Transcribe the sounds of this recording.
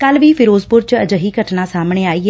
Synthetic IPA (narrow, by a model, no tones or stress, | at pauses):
kəlʋiːpʰɪɾoːzpʊɾt͡ʃəd͡ʒəɦiːɡəʈnãːsaːmɳeːaːiːɦɛ